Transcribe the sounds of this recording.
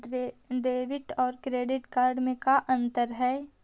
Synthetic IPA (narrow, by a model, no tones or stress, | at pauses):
ɖeːʋɪʈɔːɾkɾeːɖɪʈkaːɾɖmẽkaʔɐ̃nt̪əɾɦɛː